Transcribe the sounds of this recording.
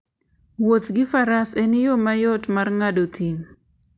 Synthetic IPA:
wot̪ɡɪfaɾasenɪjomajɔtmarŋadot̪iŋ

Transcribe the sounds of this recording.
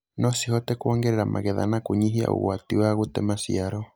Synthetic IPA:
nɔsihɔtɛkuɔŋɡɛɾɛɾamʔa̰ɣɛða̰nakuɲiɦia̰ṵɣwatiwaɣutɛmasiaɾɔ

